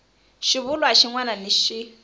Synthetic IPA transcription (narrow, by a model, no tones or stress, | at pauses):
ʃiβulwaʃiŋwananiʃi